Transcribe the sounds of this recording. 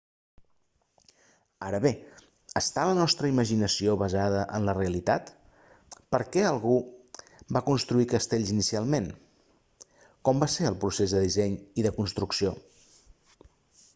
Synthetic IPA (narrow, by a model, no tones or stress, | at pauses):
aɾəβe | əst̪alənɔst̪ɾəiməʒinəsioβəzaðəʔənləreəlit̪at̪ | pəɾkɛəlˠɣu | bakunst̪ɾuikəst̪eʎzinisialˠmen | kɔmbaseəlˠpɾusezðəðizɛɲiðəkunst̪ɾuksio